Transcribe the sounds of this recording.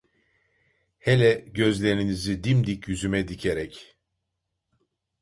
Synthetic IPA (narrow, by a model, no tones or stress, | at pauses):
helʲɛɟø̞zlʲe̞ɾinizid̪imd̪icjyzymɛd̪icʰeɾɛc